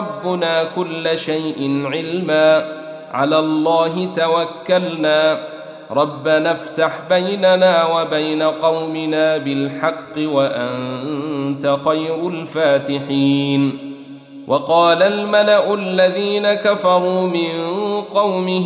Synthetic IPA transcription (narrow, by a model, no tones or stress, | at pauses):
ɑbːʊnaːkʊlːaʃajʔɪnʕɪlmaː | ʕa̰laːlˤːɑːɦɪt̪awakːalnaː | ɾˤɑbːanaft̪aħbajnanaːwabajnaqɑwmɪnaːbɪlħɑqːɨwaʔant̪axajɾʊlfaːt̪ɪħiːn | wʔɑqɑːlalmalaʔʊalːaðiːnakafɑɾˤuːmɪnqɑwmɪ